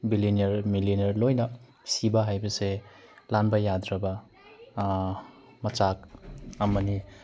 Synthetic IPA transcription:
bilineɾmilineɾlojnɐ | sibaɦajbɐse | lanbɐjadɾɐbɐ | mɐt͡ʃakɐmɐni

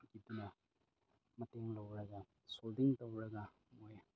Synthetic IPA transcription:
ɡidunɐ | mɐteŋlɐwɾɐɡa | soldiŋtɐwɾɐɡɐ | moj

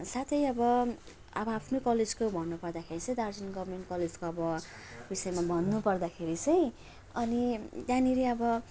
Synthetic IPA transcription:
sat̪ʰʌjʌbʌ | ʌbʌapʰnokʌled͡zkobʱʌnːupʌrd̪akʰeɾit͡sʌ̃j̃d̪ard͡zʌnɡʌbʱrmeɳʈkʌled͡zkoʌbʌ | bisʌemabʱʌnːupʌrd̪akʰeɾit͡sʌj̃ | ʌnit̪jãniɾeʌbʌ

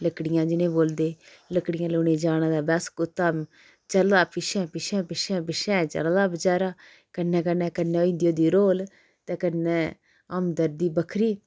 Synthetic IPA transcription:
ləkɽɪjãːd͡ʒɪnẽːboːld̪eːləkɽɪjãːloːneːd͡ʒaːɽnãːd̪aːbɛːskʊt̪ːaːm | t͡ʃəlːaːpɪʃɛ̃ːpɪʃɛ̃ːpɪʃɛ̃ːpɪʃɛ̃ːt͡ʃə̰lːlaːbəd͡ʒaːɾaː | kənːɛ̃ːk̬ənːɛ̃ːkənːɛːoːĩnd̪ijoːd̪iːɾoːl | t̪ɛːkənːɛ̃ː | əmd̪əɾd̪iːbəkʰɾiː

